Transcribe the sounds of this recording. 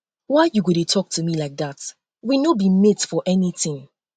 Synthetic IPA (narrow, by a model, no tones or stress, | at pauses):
waɪjuɡuɾetʰɔk̚tʰumilaɪk̚ðat | winobimɪtfɔʔɛniθɪ̃ŋ